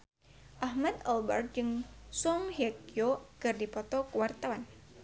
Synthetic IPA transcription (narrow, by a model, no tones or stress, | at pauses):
ʔahmat̪albɛrt̪̚d͡ʒɨŋsɔŋhakjokɨrdipɔt̪ɔkəwart̪awan